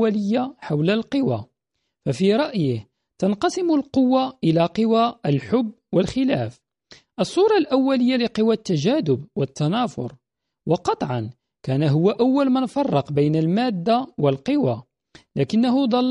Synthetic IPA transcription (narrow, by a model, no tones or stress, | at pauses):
æləjːaħawləlqəwa | fæfiɾˤɑʔjəh | t̪ɑnqɑsɪmʊlqʊwːaʔəlaqəwaəlħʊbːwəlxɪlæf | ʔəsˤːuɾˤɑlʔæwːæləjːalɪqəwat̪ːæʒæːd̪ʊbwət̪ːɑnɑfʊ̰ɾˤ | wɑqɑt̪ˤʕɑn | kæːnaɦʊwːaʔawːælmænfɑrˤːɑqbəjnəlmæd̪ːawəlqəwa | lækɪnːaɦʊd̪ˤɑlː